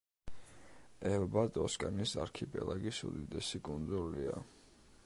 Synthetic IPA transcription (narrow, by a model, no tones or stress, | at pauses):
ɛlbad̪ɔskʼanisaɾkʰipʼɛ̰laɡisṵd̪id̪ɛsikʼund̪zulia